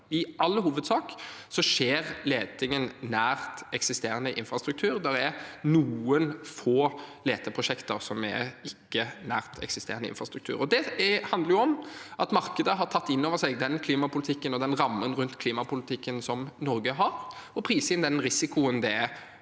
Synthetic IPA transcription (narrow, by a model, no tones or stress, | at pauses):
ɪʔɑlːəhuːʋəd̪sɑːksɔʂeːʁleːt̪ɪŋənnæːʁt̪ɛksɪst̪eːɾʁənəʔɪnfɾɑst̪ɾʉk̚t̪ʰʉːɾd̪ɛɾɛnuːənfoːleːt̪ʰəpʰɾʊʃɛkt̪əɾsɔmɛ̰ɪkːənæːʁt̪ʰɛ̰ksɪst̪eːɾənəɪ̰nfʁɑst̪ɾʉkt̪ʰʉ̰ːʁɾɔd̪ɛhɑnd̪ləʁjʊɔmʔɑt̪mɑɾkəd̪əɦɑʁt̪ʰɑt̪ːɪnːoːʋəsɛɡd̪ɛnkʰliːmɑpʊlɪt̪ʰɪkːənɔd̪ɛnɾɑmːənɾʉnt̪kʰliːmɑpʊlɪt̪ʰɪkːənsɔmnɔɾɡəɦɑɾ | ɔpʰɾiːsɪnd̪ɛnɾɪsɪkʊənd̪ɛ